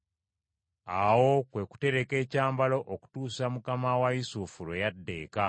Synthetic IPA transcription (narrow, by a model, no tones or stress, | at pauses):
awo̞kwe̞ku̥te̞ɾe̞ke̞ːcaːmbalo̞ʔoku̥tuːsamukamawaisufuɾejadːe̞ːka